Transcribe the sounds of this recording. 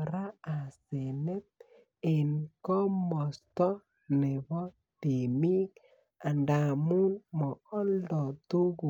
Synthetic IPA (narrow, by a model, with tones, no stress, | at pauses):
ɾa˦a˨se˨ne˦t̪̚ | e˨nkɔ˦mɔ˨st̪ɔ˦ | ne˨bɔ˦ | te˨mi˦k | a˨nda˨mu˦nmɔ˨ɔ˦ldɔ˨t̪u˦ɡu˨